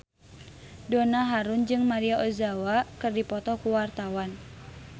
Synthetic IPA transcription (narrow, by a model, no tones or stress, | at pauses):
dɔnaɦaɾund͡ʒɨŋmaɾiaʔɔzawakɨrdipɔt̪ɔkuwart̪awan